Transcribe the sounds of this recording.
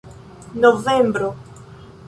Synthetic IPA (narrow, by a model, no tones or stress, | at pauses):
novẽmbɾʊ